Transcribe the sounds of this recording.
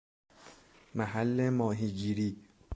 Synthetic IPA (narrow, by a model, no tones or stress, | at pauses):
mæɦælːemɒːɦiːɟiːɾiː